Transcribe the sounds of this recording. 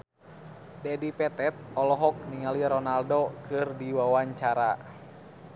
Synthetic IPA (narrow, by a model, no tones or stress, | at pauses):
dɛdipɛt̪ɛt̪̚ɔlɔɦɔk̚niŋaliɾɔnaldokɨrdiwawaɲt͡ʃaɾa